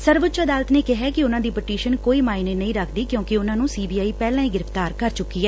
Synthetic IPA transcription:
səɾʋʊtːt͡ʃəd̪aːlət̪neːkɪɦɛːkɪʊnãːd̪iːpəʈiːʃənkoːiːmaːineːnəĩːɾəkʰd̪iːkjõːkɪʊnãːnũːsiːbiːaːiːpɛːlãːiːɡɪɾəft̪aːɾkəɾt͡ʃʊkːiːɛː

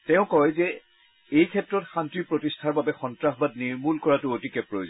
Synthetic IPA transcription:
tɛʊ̃kɔjzɛ | ejkʰɛtɹɔtxãntipɹotistʰaɹbabɛxɔntɹaxbad̚niɹmulkɔɹatʊotikɛpɹojoz

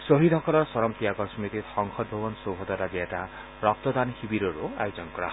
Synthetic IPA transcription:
soɦid̪ʱɔkɔlɔɾswɔɾɔmt̪ijaɡɔɾsumit̪it̪hɔŋxʰɔd̪̚bʱubɔnsobʱɔd̪aɾad̪iɛta | ɾɔk̚t̪ɔd̪anhibiɾɔɾuajud͡zɔŋkɔɽa̰

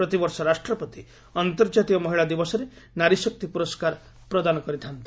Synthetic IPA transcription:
ɾɔt̪ibɔɾsɔɾasʈɾɔpɔt̪i | ɔnt̪ɔɾd͡ʒat̪iɔmɔɦiɭad̪ibɔsɔɾe | naɾisɔk̚t̪ipuɾɔskaɾ | pɾɔd̪anɔkɔɾit̪ʰant̪i̥

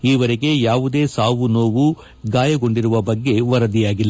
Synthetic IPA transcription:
iːʋɐɾeɡe̞jaːʋud̪e̞ːsaːʋuno̞ːʋu | ɡaːjɐɡo̞ɳɖiɾuʋɐbɐɡːe̞ʋɐɾɐd̪ijaːɡilːɐ

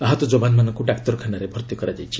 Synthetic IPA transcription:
aɦɔt̪ɔd͡ʒobanmanɔŋkuɖakt̪ɔɾkʰanaɾebʱɔɾt̪jɔkɔɾad͡ʒajt͡ʃʰi̥

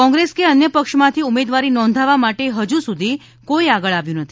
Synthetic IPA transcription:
kɔ̃ŋɡɾeskeənjəpəkʃmãt̪ʰiumed̪ʋaɾinɔ̃nd̪ʱaʋamaʈeɦəd͡ʒusud̪ʱi | koiaɡəɭaʋjũnət̪ʰii̥

